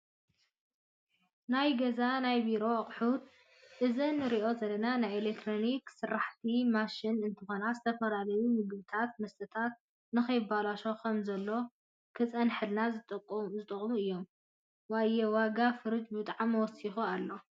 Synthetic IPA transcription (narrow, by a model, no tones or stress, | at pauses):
najɡɐzanajbiɾo̞χʼħut̪ | ʔɨzɨnːɨɾiʔo̞zɐlːɐnanajelek̚t̪ʰɾo̞niksɨɾːaħt̪ʰimaʃinɨnt̪ʰɐxo̞nazɨt̪ʰɐfɐlalɐjumɨɡbɨt̪ʰat̪̚mɐst̪ʰɨt̪ʰat̪̚ | nɨxɐjɪbalaʃo̞kʰɐmzɐlːo̞ | kʰɨt͡sʼɐnħɨlnazɨt̪ʼɐkʼːomzɨt̪ʼɨχʼmuɨjːo̞m | wajɛwaɡafɨɾɨd͡ʒbɨt̪ʼaʕamːɐwɔsixualːo̞